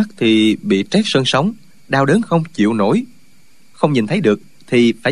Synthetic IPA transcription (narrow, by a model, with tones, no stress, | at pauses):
k̚t̪ʰi˨˩ɓḭ˧˨t͡ɕɛ˦˥k̚sə˧nsə˨˦wŋ͡m | ɗaː˧wɗəː˨˦nxə˧wŋ͡mt͡ɕḭ˧˨əwno̰˧˩j | xə˧wŋ͡mɲi˨˩nt̪ʰə˨˦jɗɨ˨˩ək̚ | t̪ʰi˨˩faː˧˩